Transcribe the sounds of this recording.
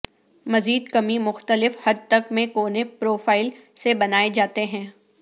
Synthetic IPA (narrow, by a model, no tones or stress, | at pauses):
mɐziːd̪kɐmimʊxt̪əlɪfhɐd̪̚t̪ɐkmẽkoːnepɾoːfaːɪl | sebɐnaːed͡ʒaːt̪eɦɛ̃ː